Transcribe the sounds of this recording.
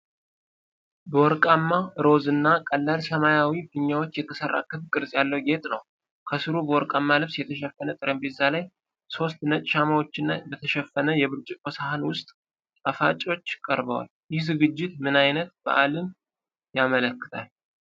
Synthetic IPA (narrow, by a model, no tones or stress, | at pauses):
bəwɔɾkʼamːaɾo̞zɨnːakʼəlːalsəmajawifɨɲːawo̞t͡ʃːjɛt̪ʰəsərːa̰kʰɨfkʼɨɾzʼjalːəwɡe̞t̪ʼnəw | kʰəsɨɾubəwɔɾkʼamːalɨβsjɛt̪ʰəʃɛfːənət̪ʼɨɾəmbɛzːalaj | so̞st̪nət͡ʃʼʃamawo̞t͡ʃːɪnːa̰bət̪ʰəʃɛfːənəjɛβɨɾt͡ʃʼɪkʼosahanwʊst̪ʼ | əfat͡ʃʼo̞t͡ʃːɪkʼəɾbəwa̰ljɪhzɨɡɨd͡ʒːɪt̪mɨnajnət̪̚b̥ə̰ʔalɨm | jamələkːɨ̥t̪ʰal